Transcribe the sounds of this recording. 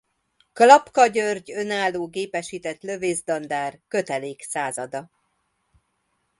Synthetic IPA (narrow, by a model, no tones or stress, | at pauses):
klɒpkɒɟørɟø̞naːlːoːɡeːpɛʃiːt̪ɛt̪lø̞veːzd̪ɒnd̪aːrkø̞t̪ɛleːksaːzɒd̪ɒ